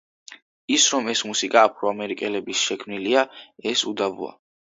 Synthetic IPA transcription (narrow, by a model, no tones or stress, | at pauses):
isɾɔmɛsmusikʼaːpʰɾɔamɛɾikʼɛlɛbisʃɛkʰmniliaɛsud̪avṵa̰